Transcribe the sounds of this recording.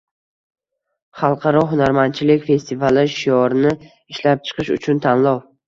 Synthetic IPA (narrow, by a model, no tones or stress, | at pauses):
χɑlˠqʰɑɾɒɦʊnaɾmant͡ʃʰɪlɪkʲfe̞st̪ʰivalɪʃijɒɾɪnɪ | ɪʃlap̚t͡ʃʰɨ̥qʰɨʃʊ̰t͡ʃʰʊnt̪ʰanlɒw